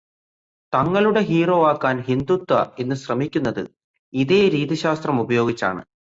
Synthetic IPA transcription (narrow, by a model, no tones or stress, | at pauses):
t̪ɐŋːɐɭuɽe̞ɦiːro̞ːaːkːaːnɦind̪ut̪wɐe̞nːɨɕrɐmikʲːunːɐðɨ̰ | iðe̞ːɾiːðiɕaːst̪rɐmubɐjo̞ːɡit͡ɕːa̰ːɳɨ̰